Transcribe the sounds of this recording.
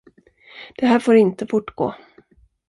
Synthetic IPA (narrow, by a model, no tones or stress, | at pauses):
d̪̥ɛɦæːɾfoːɾɪnt̪əfʊʈɡo̰ː